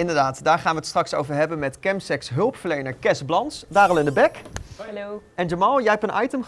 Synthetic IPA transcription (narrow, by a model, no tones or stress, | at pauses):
ɪndəɹdaːtdaːɹχaːnʋətstrɑkso̰wvəɹɦɛbənmɛtkɛmsɛksɦɵlˠpfəɹlejnəɹkɛsblɑntsdaːɾɑlˠɪndəbɛk | ɛnd͡ʒəmɑlˠjəɦɛpənʔɑ̰jtəmχ